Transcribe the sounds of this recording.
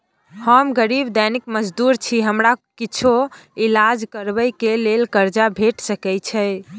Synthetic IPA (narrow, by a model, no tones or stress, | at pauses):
həmɡəɾibd̪ɛnikməd͡ʒd̪uɾt͡ʃʰiɦəmɾakit͡ʃʰoilad͡ʒkəɾbəjkelelkəɾd͡ʒabʱeʈsəkɛjt͡ʃʰɛ